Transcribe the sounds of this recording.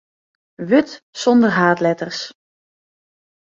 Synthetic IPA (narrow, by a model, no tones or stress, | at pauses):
ʋøtsɔndərɦaːtlɛtərs